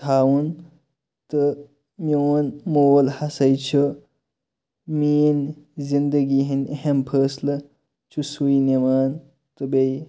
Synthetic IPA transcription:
tʰaːwun | t̪ɨ | mionmoːlhɐsɐjt͡ʃʰi | miːnzind̪əɡiɦinʲeɦempʰəːslɐ | t͡ʃʰusuinemaːn | t̪ɨbej

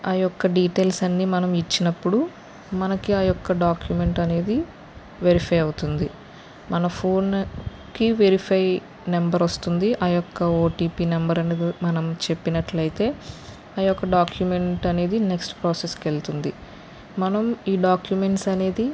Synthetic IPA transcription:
ɐjɔkːɐɖiːʈeːlsɐnːiːmɐnɐmit͡ʃːinɐpːuɽu | mɐnɐkiɐjɔkːɐɖaːkjume̞ɳʈɐne̞ːd̪i | ʋeɾipʰɐjɐwut̪und̪i | mɐnɐpʰoːn | kiʋeɾipʰɐj | nembɐɾost̪und̪iʔɐjɔkːɐoːʈiːpiːnɐmbɐɾɐneːd̪imɐnɐmt͡ʃe̞pːinɐʈlɐjt̪e̞ː | ɐjɔkːɐɖaːkjume̞ɳʈɐne̞ːd̪ine̞ksʈpɾaːseskelt̪und̪i | mɐnɐmiːɖaːkjume̞ɳʈsɐne̞ːd̪i

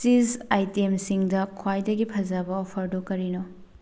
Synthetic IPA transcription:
izajtemsiŋdɐkʰwajdɐɡipʰɐd͡ʒɐbɐopʰɐɾdokːɐɾino

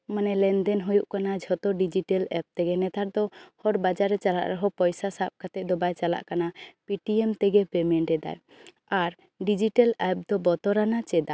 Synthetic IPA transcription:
manɛlɛnd̪ɛnɦujuʔkanad͡ʒʱɔt̪ɔɖid͡ʒiʈɛlɛp̚t̪ɛɡɛnɛt̪aɾ̚d̪ɔhɔɾbad͡ʒaɾːɛt͡ʃala̰ʔɾɔɦɔpɔjsasap̚kat̪ɛʔ̚d̪ɔbajt͡ʃala̰ʔkanapiʈiɛmt̪ɛɡɛpɛmɛɳʈɛd̪a̰j | aɾ | ɖid͡ʒiʈɛlɛp̚d̪ɔbɔt̪ɔɾanat͡ʃɛd̪a

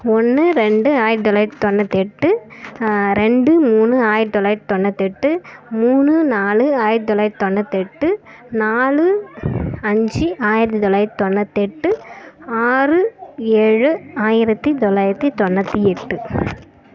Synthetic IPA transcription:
ɔnːɯɾɛɳɖɯaːjɪɾt̪ɔlɐjɾt̪ɔnːɐt̪ɛʈːɯ | ɾɛɳɖɯmuːnɯaːjɪɾt̪ɔlɐjɾt̪ɔnːɐt̪ɛʈːɯmuːnːɯnaːlɯaːjɪɾt̪ɔlaːɾt̪ɔnːɐt̪ːɛʈːɯ | naːlɯ | ɐɲd͡ʒiʔaːjɪɾɐt̪ːit̪ɔlaːjɾt̪ɔnːɐt̪ːɛʈːɯaːrɯeɻɯaːjɪɾɐt̪ːit̪ɔlːaːjɪɾɐt̪ːit̪ɔnːɐt̪ːiɛʈːɯ

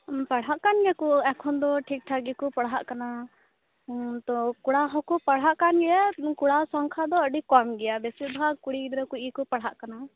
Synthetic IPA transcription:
paɽ̤ɦaʔkanɡɛkɔɛkʰɔnd̪ɔʈʰik̚ʈʰaɡikɔpaɽ̤ɦaʔkana | t̪ɔkuɽaɦɔkɔpaɽɦaʔkanɡɛakuɽasɔŋkʰad̪ɔəɖikɔmɡɛjabɛsibʱakuɽiɡd̪ɾɔkuɡikɔpɐɽ̤ɦaʔkana

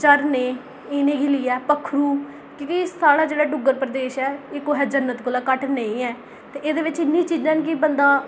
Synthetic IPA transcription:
t͡ʃəɾnẽː | ɪːnẽːɡɪliːɛːpəkʰːɾuː | kɪt̪isaːɽaːd͡ʒeːɽaːɖʊɡəɾpɾəd̪eːʃɛːeːkoːɦɛːd͡ʒənːət̪ɡʊlaːkəʈneĩːɛː | t̪eːʔeːd̪eːʋɪt͡ʃɪnːĩːt͡ʃiːd͡ʒãːnkɪbənd̪ãː

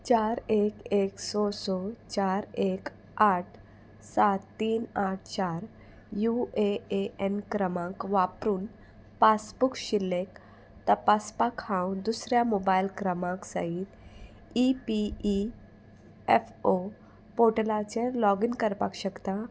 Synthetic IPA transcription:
t͡ɕaɾekeksɔsɔt͡ɕaɾek | aʈʰ | sat̪ːiːnaʈ̚ʰt͡ɕaɾ | jueeenkɾəmãkʋapɾuːn | pasbukɕilːek | t̪əpaspakʰãwd̪usɾjamobajlkɾəmãksə̰ɦit̪ | ipii | efo | poʈəlat͡ɕelɔɡinkəɾpakɕəkt̪a

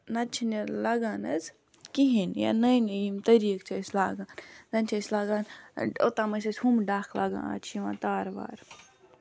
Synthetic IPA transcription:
nɐt͡ʃʰiniɾlɐɡaːnɐz | kiɦinja̰nɐjnɐjimt̪ɐɾiːk̚t͡ʃʰɐslaːɡaːnzɐnt͡ʃʰɐslaːɡaːno̰t̪aːmɐsɐsʲhumɖaːkʰlɐɡã̰ːa̰t͡ʃʰiʋã̰ːt̪aːɾʋa̰ːɾ

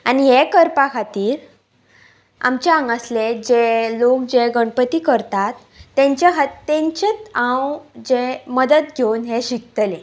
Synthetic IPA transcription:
aniɦekəɾpakʰat̪iːɾ | a̰mt͡ɕaaŋɡasled͡ʑelokd͡ʑeɡəɳpət̪iːkəɾt̪at̪ː | ẽɲt͡ɕakʰat̪ːẽɲt͡ɕet͡sãwd͡ʑeməd̪ət̪̚ɡʱewnɦeɕik̚t̪əlẽ

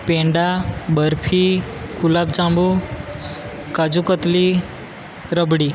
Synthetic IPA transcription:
pẽɳɖabəɾpʰikulab̚d͡ʒãmbu | kad͡ʒukət̪li | ɾəbɽi

